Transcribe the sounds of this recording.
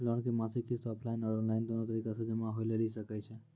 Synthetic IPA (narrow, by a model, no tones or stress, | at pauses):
lɔɳkimasikːisʈɔplainɔɽɔnlajnd̪onot̪əɾikasəd̪əmãɦojleliʃəkajt͡ʃʰe